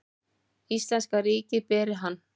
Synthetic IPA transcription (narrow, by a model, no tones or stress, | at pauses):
ist̪lɛnskariːcɪpɛːɾɪɦanː